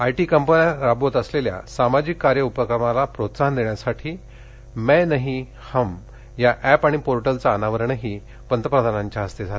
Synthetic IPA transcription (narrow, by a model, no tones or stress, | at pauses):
ajʈiːkəmpənaɾabot̪əslelja̰samad͡ʑikːaɾjəupəkɾəmalapɾot̪saɦənd̪eɳjasaʈʰiː | mɛnəɦi | ham | jaʔæpaɽ̃ipoɾʈəlt͡saːnaʋəɾəɳəɦiː | pənt̪əpɾəd̪ʱanaɲt͡ɕjaɦəst̪ed͡zʱal